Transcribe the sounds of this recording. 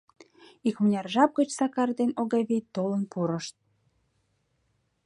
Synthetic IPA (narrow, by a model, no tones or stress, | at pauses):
ikmənʲɑrʒɑp̚ɡət͡ɕsɑkɑrd̪enoɣɑβejt̪ːolənpuɾəʃt̪̚